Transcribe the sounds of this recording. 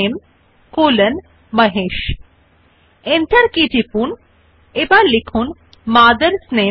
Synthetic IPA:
eːm | koːlən | mɐɦeːʃ | ent̪ʰəɾkid͡ʒipuːn | ebalikʰuːn | maːd̪əɾsneː

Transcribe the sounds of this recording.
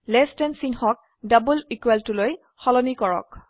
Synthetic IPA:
lɛstɛnsiŋhɔk̚ | dabulikweltuloj | xɔlɔnikɔɹɔ̰k

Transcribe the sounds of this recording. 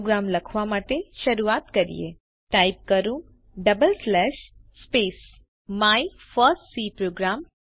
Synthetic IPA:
ɡɾamləkʰʋamaʈeʃəɾuat̪kəɾḭjḛ | ʈaip̚kəɾũ | ɖəbəlslɛʃspes | mai | fəɾsʈsipɾoɡɾam

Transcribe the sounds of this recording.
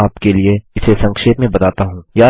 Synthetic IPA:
aːpkelieɪsesɐ̃ŋkʃeːt̪mẽbɐt̪aːt̪aɦũːjaː

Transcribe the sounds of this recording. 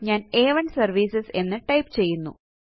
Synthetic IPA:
ɲaːneːʋɐɳɖsɐrʋiːsɐse̞nːɨʈɐjpt͡ɕe̞jːunːṵ

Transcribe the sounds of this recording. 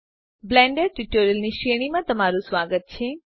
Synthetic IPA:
blɛ̃ːɳɖeɾʈuʈoːɾjəlniʃeːɽ̃imãt̪ɐmaːɾusʋaːɡət̪̚t͡ɕʰeː

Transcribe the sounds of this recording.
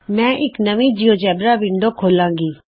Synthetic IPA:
mɛ̃ːʔɪknəʋĩːd͡ʒijoːt͡ʃɛːbɾaːʋɪ̃ɳd̪oːkʰoːlãːŋɡiː

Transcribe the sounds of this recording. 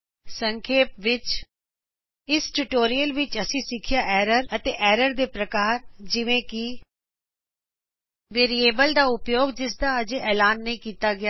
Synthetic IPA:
səŋkʰeːp̚ʋɪt͡ʃ | ɪsʈuʈoːɾijəlʋɪt͡ʃəsĩːsɪkʰɪjaːʔɛːɾəɾət̪eːʔɛːɾəɾd̪eːpɾəkaːɾd͡ʒɪʋẽːkɪ | ʋeːɾieːbəld̪aːʊpjoːɡd͡ʒɪsd̪aːəd͡ʒeʔɛːlaːnːəĩːkiːt̪aːɡɪaː

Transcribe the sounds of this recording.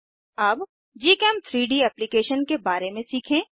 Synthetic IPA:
ɐb | d͡ʒiːkɛːmt̪ʰɾiːɖiɛːplikeːʃənkebaːɾemẽsiːkʰẽː

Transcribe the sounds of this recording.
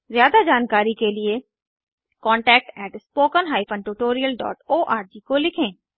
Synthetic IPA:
zjaːd̪ad͡ʒaːnkaːɾikelɪe | kɔ̃ːɳʈɛːk̚ʈɛːʈspoːkənɦaːipʰə̃ɳʈuːʈoːɾiəlɖɔ̰ːʈoːʔaːɾd͡ʒiːkolɪkʰẽː

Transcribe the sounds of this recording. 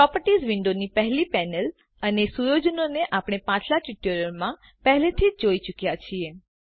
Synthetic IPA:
pɾɔpəɾʈizʋɪɳɖonipəɦlipɛnəl | ənesujod͡ʒənoneʔapɽ̃epãt͡ʃlat͡ʃuʈjoɾəɾmã | pəɦlet̪ʰid͡ʒoit͡ʃukjat͡ʃʰie

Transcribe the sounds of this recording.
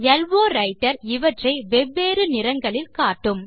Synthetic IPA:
jɐlʋoːɾɐɪʈːɐɾɪʋɐʈrɐɪʋɛʋːeːɾɯnɪɾɐŋɡɐɭɪlkaːʈːɯm

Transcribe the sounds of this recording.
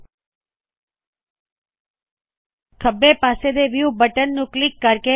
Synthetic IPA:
kʰəbːepased̪eʋjubəʈənːũklɪkːəɾke

